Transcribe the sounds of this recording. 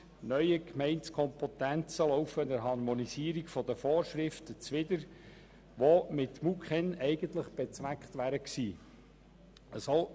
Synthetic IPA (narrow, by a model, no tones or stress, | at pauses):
nœʏjəkmɛɪntskʰɔmpot̪ænt͡səlɔʊfənəɾɦɑɾmɔnisiːəɾikfɔd̥̪əfoːɾʃɾɪftət͡sʋɪdəɾ | ʋomɪtmukχɛnɛɪɡənt̪ləχb̥et͡sʋækχtʋæːɾəksiː | əsɔ